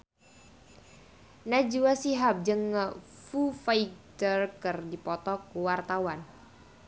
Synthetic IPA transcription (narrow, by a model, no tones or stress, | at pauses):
nad͡ʒuwasiɦap̚d͡ʒəŋːəfufajtərkərdipɔt̪ɔkuwart̪awan